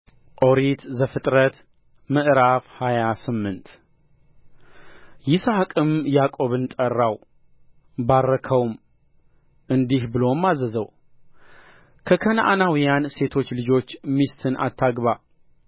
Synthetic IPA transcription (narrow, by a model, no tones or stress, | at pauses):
ʔʼo̞ɾit̪zəfɨt̪ʼɾət̪ | mɨʔɾafhajasɨmːɨnt̪ | jɪsakʼɨmjakʼo̞βɨnt̪ʼərːaw | barːəkʰəwm | ʔɨnd̪ihbɨlo̞mːazəzəw | kʰəkʰənʔanawijanse̞t̪ʰo̞t͡ʃːlɨd͡ʒo̞t͡ʃːmist̪ʰɨnʔa̰t̪ʰːaɡβa